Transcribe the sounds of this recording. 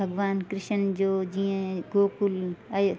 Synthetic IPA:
ɐɡʋaːnkɾɪʃənd͡ʒoːd͡ʒijẽɡoːkulajo

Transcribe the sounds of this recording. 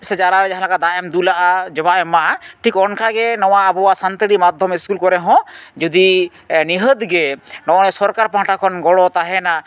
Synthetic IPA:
sɛd͡ʒaɾaɾɛd͡ʒaɦãlakad̪aɛmd̪ulaʔad͡ʒɔbaɛmaʈʰikɔnkʰaɡɛnɔwaːbɔwasant̪əɽimad̪ʱːɔmiskulkɔɾɛɦɔ̃d͡ʒud̪i | niɦəd̪ɡɛnɔnɛsɔɾkaɾpãʈakʰɔnɡɔɽɔt̪aɦɛna

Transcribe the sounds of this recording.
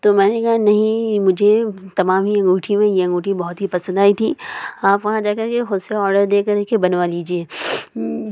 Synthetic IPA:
t̪oːmɛ̃ːnekɐɦanɐɦĩmʊd͡ʒʱet̪ɐmaːmɦijɐ̃ŋɡuːʈʰimẽjeɐ̃ŋɡuːʈʰibɔɦʊt̪ɦipɐsə̃nd̪aːit̪ʰiaːpʋɐɦãd͡ʒaːkɐɾkexʊd̪seɔːɾɖəɾd̪eːkɐɾkebɐnʋaliːd͡ʒieː

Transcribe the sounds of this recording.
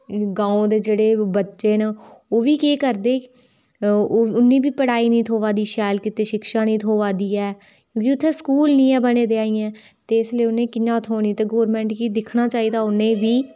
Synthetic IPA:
ɡãːõːd̪eːd͡ʒeːɽeːbətːʃeːnəoːʋiːkeːkəɾd̪eː | ʊnːĩːʋiːpəɽaːiːnĩːt̪ʰoːʋaːd̪iːʃɛːlkɪt̪eːʃɪkʃaːnĩːt̪ʰoːʋaːd̪iːɛː | kjõːkiʊt̪ʰːɛːskuːlnĩːɛːbəneːd̪eːaːiːɛ̃ː | t̪eːɪsliːʊnẽːkɪɲãːt̪ʰoːniːt̪eːɡoːɾmɛ̃ːɳʈkiːd̪ɪkʰnaːt͡ʃaːiːd̪aːʊnẽːʋiː

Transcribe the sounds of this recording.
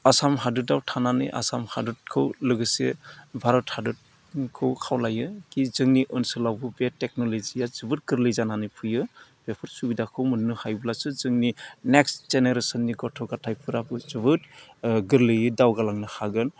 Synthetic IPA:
asamɦadudawtʰananɯ̰jʔa̰samhadut̚kʰɯwlɯɡɯsebʱaɾɔthadut̚ | kʰɯwkʰawlajɯkizɯŋniʔɯnsɯlawbɯbetek̚nɔlezijazɯbɯt̚ɡɯɾlɯjzananɯjpʰɯjɯ | b̥epʰɯɾsubidakʰɯwmɯnːɯhajbulasɯzɯŋnineksz̥eneɾesɔnːiɡɔtʰɔɡatʰajpʰɯɾapʰɯzɯbɯtɡɯɾlɯjɯdawɡalaŋnɯhaɡɯn

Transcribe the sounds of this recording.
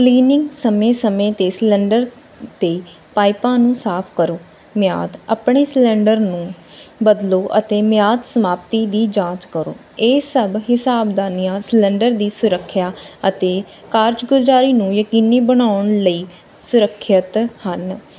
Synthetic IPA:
kliːnɪ̃ŋɡsəmẽːsəmẽːt̪eːslɛ̃ːɳɖəɾ | t̪eː | paːɪpãːnũːsaːpʰkəɾoː | mɪja̰ːd̪əpɳeːslɛ̃ːɳɖəɾnũː | bəd̪loːʔə̰t̪eːmɪjaːd̪səmaːpt̪iːd̪iːd͡ʒãːt͡ʃkəɾo̰ː | eːsəbɦɪsaːbd̪aːnijãːslɛ̃ːɳɖəɾd̪iːsʊɾəkʰːjaːət̪eː | kaːɾd͡ʒɡʊd͡ʒɾaːɾiːnũːjəkiːniːbəɽaːʊɳləiː | sʊɾəkʰːət̪hən

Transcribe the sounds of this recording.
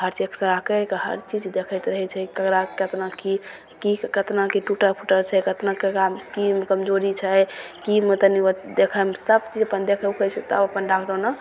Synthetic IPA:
ɦəɾt͡ʃiksəɾakekəɦə̰ɾt͡ʃid͡ʒd̪ekʰəjt̪ɾəɦɛt͡ʃʰɛkəkɾakət̪naki | kikət̪nakiʈuʈəɾpʰuʈəɾt͡ʃʰɛkət̪nakeamkimkəmd͡ʒoɾit͡ʃʰəj | kimet̪əniəd̪ekʰəmsəbt͡ʃid͡ʒəpənd̪ekʰəkʰɛt͡ʃʰɛt̪ɔ̰əpənɖakʰɖənə

